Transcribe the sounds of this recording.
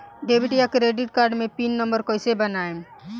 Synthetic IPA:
ɖeːbʱɪʈijakɾeːɖɪʈ̚kaːɾɖmẽpinːə̃mbəɾkoɪsebənaːe

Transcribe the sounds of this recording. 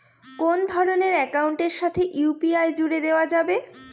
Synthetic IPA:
kond̪ʱɔɾoneɾɛkauɳʈeɾʃat̪ʰeʔupiajd͡ʑuɽed̪eoad͡ʑabe

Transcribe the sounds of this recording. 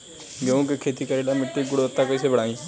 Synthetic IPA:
kjõːkekʰeːt̪iːkəɾiːlamɪʈːiɡʊɽət̪ːapəːs̬ebəɽaːĩː

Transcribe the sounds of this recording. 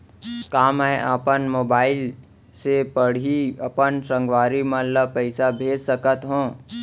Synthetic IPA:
kaːmɛʔapənmoːbaːɪl | sepəɽ̤iɐpənsə̃ŋɡʋaːɾimə̃ləpəɪsabʱeːd͡ʒsəkət̪ɦõː

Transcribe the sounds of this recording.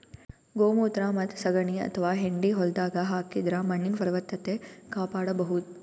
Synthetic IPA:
ɡoːmuːt̪ɾaːmɐt̪sɐɡɐɳiɐ̰t̪ʰɐʋaːɦeɳɖiɦɔld̪aːɡɐɦaːkid̪ɾamɐɳːinpɐɾʋɐt̪ːɐt̪eːkaːpaːɽɐbɐɦut̪̚

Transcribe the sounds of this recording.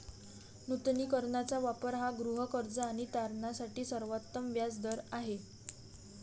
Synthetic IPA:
nut̪niːkəɾɳat͡saʋapəɾɦaɡɾuɦəkəɾd͡zəaɽ̃it̪aɾɳasaʈiːsəɾʋat̪ːəmʋjad͡zd̪əɾaɦe

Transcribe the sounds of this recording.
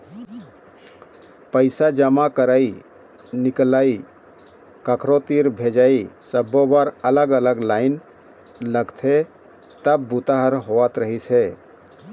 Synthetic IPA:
pəɪsad͡ʒəmakəɾai | niklai | kəkʰɾot̪iɾbʱed͡ʒaisəbːobaɾələɡələɡlaɪn | ləɡt̪ʰe | t̪əb̚ːut̪aɦəɾɦoʋat̪ɾəɦisʰɛ

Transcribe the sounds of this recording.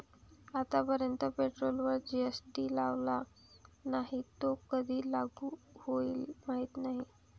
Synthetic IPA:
at̪apəɾjənt̪əpeʈɾolʋəɾd͡ʑiesʈiːlaʋla | naɦit̪okəd̪ʱiːlaɡuː | hoiːlmaɦit̪naɦi

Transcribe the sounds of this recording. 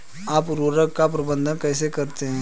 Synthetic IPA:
aːpɾuːɾəkːap̬ɾɐbə̃nd̪ʱənkɛːsekɐɾt̪eɦɛ̃ː

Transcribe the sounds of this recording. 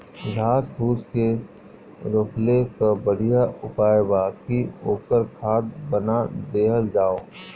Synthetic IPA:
lʱaːsbuːske | ɾʊkʰlekabəɽijaʊpaːjbaːkioːkəɾkʰaːt̪̚bənad̪eːɦəld͡ʒaːoː

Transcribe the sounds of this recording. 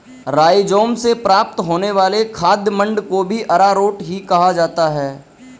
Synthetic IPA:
ɾaːid͡ʒoːmsepɾaːp̚t̪ɦoːneʋaːlekʰaːd̪jəmə̃ɳɖkobʱiʔɐɾaɾoːʈɦikɐɦad͡ʒaːt̪aɦɛː

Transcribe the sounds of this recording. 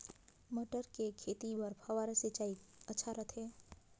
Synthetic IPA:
məʈəɾkekʰet̪ibəɾpʰəʋaɾəset͡ʃaːiətːt͡ʃʰaɾət̪ʰe

